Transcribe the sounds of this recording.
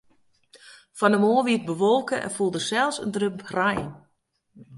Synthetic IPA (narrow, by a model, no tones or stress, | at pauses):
fɔndəmoːʋiət̚bəʋolˠkəʔɛ̰nfulˠdəsɛlˠsə̰ndrøp̚rajn